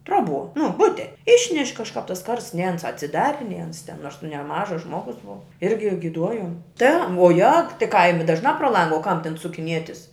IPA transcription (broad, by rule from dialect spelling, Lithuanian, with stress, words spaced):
ˈtroːˌbuɔ nʊ ˈbʊtʲɛ ˈɪʃʲnʲɛʃʲ kɐʃˈkɑːp tɐs ˈkɐrsts nʲɛɪ ˈɐns ɐtʲsʲɪˈdɑːrʲɪ nʲɛɪ ˈɐns tʲɛn ˈnoːrs nʊ nʲɛˈmɑːʒɐs ˈʒmoːɡʊs ˈbʊʋɐ ˈɪrʲɡʲɪ ɡʲɪˈduɔjoːm tʲɛ ʋuɔˈjɛk tʲɪ ˈkɐɪmʲɪ ˈdɑːʒnɑː proː ˈlˠɐŋɡɐ oː kɐm tʲɛn sʊkʲɪˈnʲiɛtʲɪs